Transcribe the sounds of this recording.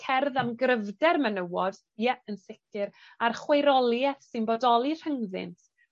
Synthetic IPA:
kʰɛrðamɡrəvdɛrmənəwɔd̥ | jɛənsɪkʰɨɾ | arχwejɾɔlˠjɛθsɨnbodɔlˠir̥əŋðɪ̰ntʰ

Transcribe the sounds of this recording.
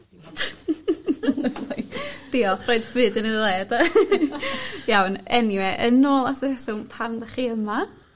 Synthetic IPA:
d̥iːɔfrɔjdvɨːdəniðlˠɛːda | jawnɛniwɛʔənoːlˠasəɾɛsɔmpʰamdaχiːəma

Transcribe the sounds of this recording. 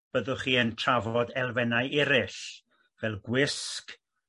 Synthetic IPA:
b̥əðʊχiːəntʰravɔdɛlˠvɛnajɪɾɪɬ | vɛlˠɡwɪsk

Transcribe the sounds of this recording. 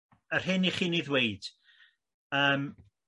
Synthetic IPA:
ər̥ɦɨniχiːniːðwejd̥ | əːm

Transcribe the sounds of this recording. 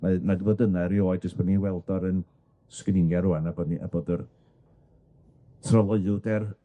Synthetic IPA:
manadəvodənaɾioːjd͡ʒəsb̥ɔːdniwɛlˠdɔɾən | skənɪŋɛɾuanaboːdniʔa̰boːdər | tʰrɔlˠɔɨʊdɛr

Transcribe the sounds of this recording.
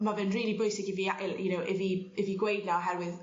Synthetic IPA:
mavɛnriːlˠibʊjsɪɡɪviaɪjənowʔɪviɪviɡwejdlɔɔɦɛɾwɪð

